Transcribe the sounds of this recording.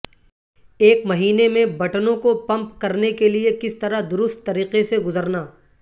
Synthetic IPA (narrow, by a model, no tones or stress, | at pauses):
eːkmɐɦiːnemẽbɐʈnõkopɐ̃mpkɐɾnekeliekɪst̪ɐɾad̪ʊɾʊst̪ːɐɾiːqeseɡʊzəɾnaː